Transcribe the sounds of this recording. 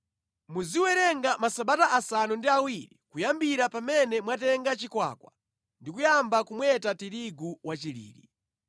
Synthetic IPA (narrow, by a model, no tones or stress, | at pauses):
muziwɛɾɛŋɡamasaɓataʔasanundiawiɾikujambiɾapamɛnɛmwatɛŋɡat͡ʃikwa̰ːkwa̰ | ndikujambakumwɛtatiɾiɡuwat͡ʃiɾḭːɾi